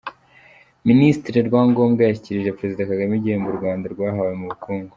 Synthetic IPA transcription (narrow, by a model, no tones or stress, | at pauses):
ministiɾeɾɡwaːŋɡo̞ːmɡajaçiciɾiʒepɾe̞zidakaɡamiɟihembuɾɡwaːndaɾɡwaːɦawemuβukuːŋɡu̥